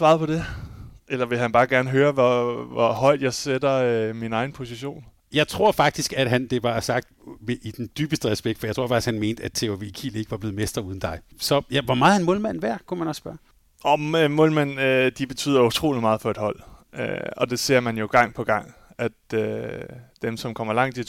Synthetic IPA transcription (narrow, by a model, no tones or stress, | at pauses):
sʋɑ̰̈ːð̩ˠpʰɒ̽d̥e̝ʔelɐʋe̝ɦænb̥ɑ̈ːɡ̥æɐnəɦøːɐʋɒʋɒɦɒ̽ɪ̰d̥jɑ̈ɪsed̥ɐminɑ̈ɪn̩pʰo̝siɕo̝̰ːn | jɑ̈ɪt͡sʰʁo̝ɐ̰fɑ̈ɡ̥̚d̥isɡ̥æd̥ɦænd̥e̝ʋɑ̈sɑ̈ɡ̥̚d̥meʔid̥end̥yːb̥əsd̥əʁɛsb̥eɡ̥̚fɒjɑɪt͡sʰo̝ɐfɑ̈ɡ̥isɡhænme̝ːnd̥æd̥t͡sʰe̝oʋe̝̰ikʰḭl̰e̝ɡ̥əʋɑb̥le̝ːð̩ˠmesd̥ɐuːð̞ˠən̩d̥ɑ̈ɪsɒ̽jæʋɒmɑ̈ːð̩ˠænmɔ̽lmæn̰ʋæɐ̰kʰumænɒsb̥ɶɐ | ɒmmɔlmæn̰ød̥ib̥e̝t͡sʰy̰ːð̰ˠɐut͡sʰʁo̝̰ːlimɑ̈ːð̞̩ˠfɒ̽e̝d̥hɒ̽l̰ø̰ɒ̽d̥e̝se̝ɐ̰mænjo̝ɡ̥ɑ̈ŋ̰pʰɒ̽ɡ̥ɑ̈ŋ̰ | æd̥ø | d̥emsɒ̽mkʰɒ̽m̰ɐlɑ̈ŋ̰d̥i